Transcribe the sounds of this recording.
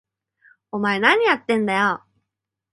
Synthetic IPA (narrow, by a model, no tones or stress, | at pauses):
omae̞naɲ̟ijat̪ːẽ̞nd̪ajo